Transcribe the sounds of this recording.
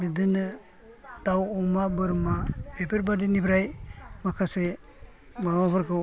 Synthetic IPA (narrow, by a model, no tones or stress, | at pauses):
bidɯnɯ | tawɔmabɯɾmapepʰeɾbadinibɾajmakʰase | mababaɾkʰɯ